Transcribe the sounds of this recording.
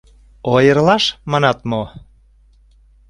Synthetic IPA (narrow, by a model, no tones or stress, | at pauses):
ojərlɑʃmɑnɑt̪mo